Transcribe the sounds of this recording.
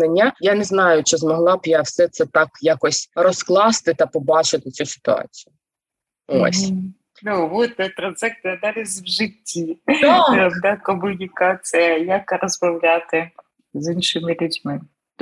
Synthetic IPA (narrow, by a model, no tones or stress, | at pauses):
ɐnʲːajanɛznɑjʊt͡ʃɪzmɔɦlˠɑbjawsɛt̪sɛt̪ɑkjakɔsʲrɔsklˠɑst̪ɪt̪ɐpɔbɑt͡ʃɪt̪ɪt͡sʲusɪ̥t̪ʊɑ̰t͡sʲijʊ | o̰sʲ | nuʋɔt̪ɛt̪ɾɐnsɛk̚t̪ɨjɐd̪ɑɾʲɪsʲʋʒɪtʲʰːi | ɔd̪akɔmʊnʲikɑt͡sʲijɐjɐkrɔzmɐwlʲat̪ɪ | zinʃɪmɪlʲʉdʲmɪ